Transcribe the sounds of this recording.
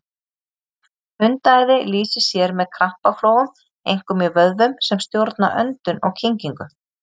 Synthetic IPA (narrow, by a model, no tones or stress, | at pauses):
ʏnt̪ajðɪliːsɪsjɛɾmɛðkʰɾahpafloːwɣʏm | ejŋ̥kʏmjɛvœðvʏmsɛmst̪jowɾt̪na̰ʔœnt̪ʏnɔɣcʰiɲciŋkʏ